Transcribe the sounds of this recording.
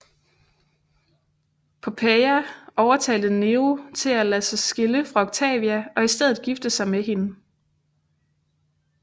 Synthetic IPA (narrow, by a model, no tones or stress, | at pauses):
pʰɒ̽pʰeæɒʊɐt͡sʰɛ̰ːld̥ð̩ne̝ot͡sʰe̝lælæsɑsɡ̥e̝ləfʁɑ̈oɡ̥̚t͡sʰɛ̰ːʋiæɒ̽isd̥eð̞̰̩ˠɡ̥ifd̥əsɑ̈ɪmeɦe̝nə